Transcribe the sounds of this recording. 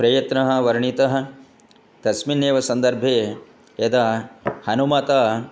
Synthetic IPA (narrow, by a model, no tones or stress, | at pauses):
pɾɐjɐt̪nɐɦɐ̆ʋɐɾɳit̪ɐɦɐ̆ | d̪̥ɐsminjeːʋɐsɐnd̪ɐɾbʱeː | ed̪ɐhɐnumɐt̪aː